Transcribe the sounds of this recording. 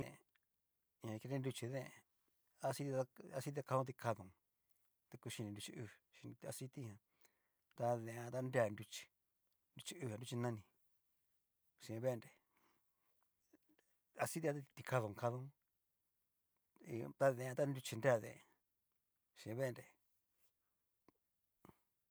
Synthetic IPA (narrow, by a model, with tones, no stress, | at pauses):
ḛ̃˨ | ɲã˧ki˧ɾe˦˧ndu˧t͡ʃi˧ðḛ̃˦˧˨ | a˧si˦t̪i˧a˧si˧˦t̪̬i˧a˧ka˧õ˦t̪i˧kʰa˧ðõ˨ | t̪e˧ku˧ʃi˧nĩ˧ndu˧t͡ʃi˧ʔu˧ʃi˧n˧t̪a˧si˦t̪i˦hã˧ | t̪a˧ðẽ˧ã˧t̪a˦nda˧ndu˧t͡ʃi̥˧ | ndu˧t͡ʃi˧u˧hã˧du˧t͡ʃi˧nã˦˧nĩ˧˨ | ʃi˧ẽ˧βe˦˧nɾe˨ | a˧si˦i˧a˦t̪a˦˧t̪i˧ka˧ðõ˨ŋ˧ka˧ðõ˧˦˧ | t̪a˧ðẽ˧˨ã˧t̪a˦ndu˧t͡ʃi˧nde˦a˦˧ðḛ̃˨˧ | ʃĩ˧˨ẽ˧βe˦˧ɾe˨